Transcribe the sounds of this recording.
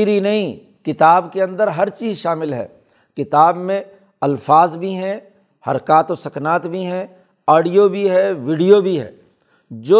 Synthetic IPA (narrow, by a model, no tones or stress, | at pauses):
ɾinɐɦĩ | kɪt̪aːbkeɐ̃nd̪əɾɦɐɾt͡ʃiːzʃaːmɪlɦɛ̰ː | kɪt̪aːbmẽ | ɐlfaːzbʱiɦɛ̃ | hɐɾkaːt̪osɐknaːt̪bʱiɦɛ̃ | aːɽijobʱiɦɛʋɪɖijobʱiɦɛ̰ː | d͡ʒoː